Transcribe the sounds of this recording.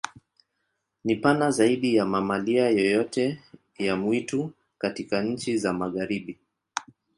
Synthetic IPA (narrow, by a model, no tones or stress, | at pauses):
nipanazaiɗijamamaliajɔjɔtɛ | jamwitu | katikaɲ̩t͡ʃizamaɣaɾiɓi